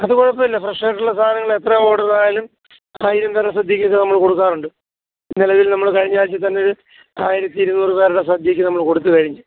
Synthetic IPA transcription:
ɐðɨkoɻɐpːɐmilːɐfrɐʂeːʈːuɭːɐst̪ʰaːnɐŋːɐɭet̪rɐoːɽɐðaːjlum | aːjiɾɐmperɐsɐd̪ʱjikʲːekːɐnɐmːɐɭko̞ɽukːaːruɳɖɨ | nilɐʋilnɐmːɐɭkɐɻiɲːaːɾit͡ɕːɨt̪ɐnːeoɾu | aːjiɾɐt̪ːiːɾunːuːrɨpe̞ːɾuɽe̞sɐd̪ʱjɐkʲːɨnɐmːɐɭko̞ɽut̪ːukɐɻiɲːɨ

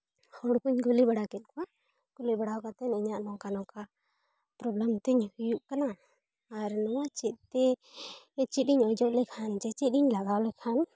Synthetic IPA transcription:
hɔɽkuɲɡulibaɽakɛt̪̚kɔwa | ɡ̥ulibaɽawkat̪ɛniɲaʔnɔkanɔka | pɾɔblɛmt̪ɛɲhujuʔkanaː | ɾnɔwat͡ʃit̪̚ˀt̪ɛ | t͡ʃit̪̚iɲɔd͡ʒɔʔlɛkʰand͡ʒɛt͡ʃit̪̚iɲlaɡawlɛkʰan

